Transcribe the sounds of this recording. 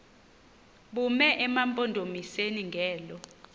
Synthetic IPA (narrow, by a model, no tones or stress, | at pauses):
ɓumɛʔɛmampʼɔndʱomiseniŋɡʱɛːlɔ